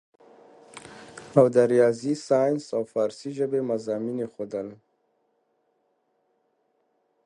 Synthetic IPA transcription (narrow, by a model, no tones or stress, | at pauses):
awd̪əɾijɑzisɑjnsawfɑɾsiʒəbemazɑminexod̪əl